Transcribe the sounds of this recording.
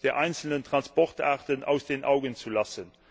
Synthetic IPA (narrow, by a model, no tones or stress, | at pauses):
d̥eːɐʔaɪnsəlnəntʁ̥ɑnspɔχtʰaːʁtəna̰ʊsd̥eːnʔa̰ʊɡənt͡sulɑsən